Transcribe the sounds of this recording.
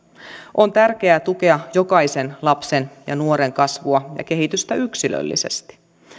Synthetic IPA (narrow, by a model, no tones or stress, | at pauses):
ʔont̪ærk̟e̞æt̪uke̞ɑjo̞kɑise̞nlɑpse̞njɑ̰nuoɾe̞ŋkɑsʋuɑjɑ̰ke̞ɦit̪yst̪æyksilø̰lːḭse̞̰st̪i̥